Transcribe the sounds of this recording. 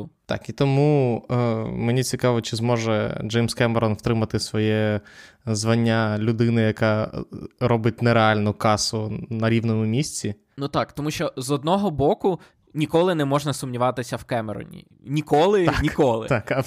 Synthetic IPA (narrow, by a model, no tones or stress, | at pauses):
t̪ɑ̰kit̪ɔmu | menʲit͡sʲikɑʋɔt͡ʃɪzmɔʒɛ̰d͡ʒɛjmskɛmɛɾɔnwt̪ɾɪmɐt̪ɪsʋɔjɛ | zʋɐnʲːalʲʊd̪ɪnɪjɐkɑ | ɾɔbɪt̚ʲnɛɾeɑlʲnʊkɑsʊnɐɾʲiʋnɔmʊmʲisʲt͡sʲi | nut̪ɑkt̪ɔmuʃt͡ʃɔzɔd̪̚nɔɦɔbɔkʊ | nʲikɔlˠɪnɛmɔʒnɐsʊmnʲiʋɑt̪ɪsʲɐwkɛmeɾɔ̰nʲḭ | nʲikɔlˠɪnʲikɔlˠɪ̰t̪akɐ